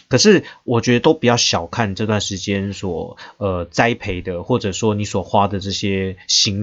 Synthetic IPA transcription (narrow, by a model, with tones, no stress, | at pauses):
kʰə˨˩ʂɻ̩˥˩wɔ˨˩t͡ɕɥɛ˧˥d̪ə˧t̪o˥ʊpi˨˩t͡ɕjɑ˥˩ʊɕjɑ˨˩ʊkʰa˥˩nʈ͡ʂɤ˥˧t̪wa˥˩nʂɻ̩˧˥t͡ɕjɛ˥nswɔ˨˩ə˧t͡sa˥ɪpʰe˧˥ɪd̪ə˧xwɔ˥˩ʈ͡ʂɤ˨˩ʂwɔ˥ni˧˥swɔ˨˩xwa˥d̪ə˨ʈ͡ʂɤ˥˩ɕjɛ˥ɕi˧˥ŋ